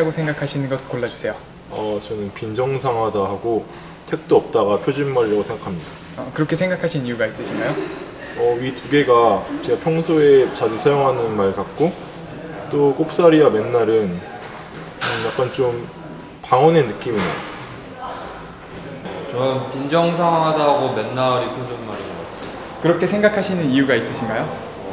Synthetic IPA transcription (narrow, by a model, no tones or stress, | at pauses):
aɡosʰeŋɡakʰaɕʰinɯnɡʌt̚k͈oɭːad͡ʑu̥sʰe̞jo | ʌt͡ɕʌnɯnpind͡ʑʌŋsʰaŋɦwadaɦaɡo | tʰe̞k̚t͈oʌp̚t͈aɡapʰjod͡ʑinmaɾiɾaɡosʰeŋɡakʰamɲida | ʌkɯɾʌkʰesʰeŋɡakʰaɕʰinijuɡais͈ɯɕʰiɡajo | ʌɥitʰuɡe̞ɡat͡ɕeɡapʰjʌŋsʰoe̞t͡ɕad͡ʑusʰajoŋɦanɯnmaɭkak̚k͈o | t͈ok͈opʰs͈aɾiame̞nːaɾɯn | ʌmjak͈̚ant͡ɕom | paŋʌne̞nɯk͈imiɲa | t͡ɕʌmkind͡ʑʌŋs̬ʰaɦadaɡome̞nːaɾipʰoŋd͡ʑonmaɾiŋɡʌk͈atʰe̥ | kɯɾʌkʰe̞sʰe̞ŋɡakʰaɕʰinɯnijuɡais͈ɯɕʰinɡajo